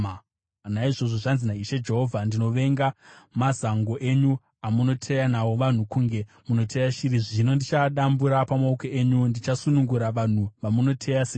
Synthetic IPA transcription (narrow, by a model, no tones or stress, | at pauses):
naiʐo̞ʐo̞ʐanzinaiʃe̞d͡ʒe̞ɦo̞vʱandino̞ʋe̞ŋɡamazaŋɡo̞ʔe̞ɲu | amuno̞tʰejanawo̞ʋan̤ukuŋɡe̞ | muno̞tʰejaʃiɾiʐino̞ndit͡ʃaɗambuɾapamaukoʔeɲundit͡ʃasunuŋɡuɾaʋan̤uʋamuno̞tʰejase